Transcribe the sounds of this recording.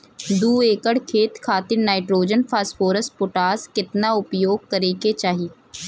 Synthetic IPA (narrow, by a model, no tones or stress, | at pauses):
d̪uːeːkəɽkʰeːt̪kʰaːt̪ɪɾnaːɪʈɾoːd͡ʒənpʰaːspoːɾəspʊʈaːskɪt̪naʊpjoːɡ̚kəɾeːket͡ʃaːɦi